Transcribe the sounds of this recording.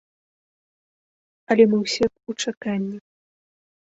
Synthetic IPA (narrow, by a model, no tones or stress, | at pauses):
ɐlʲɛmɨwsʲɛxut͡ʂakanʲːi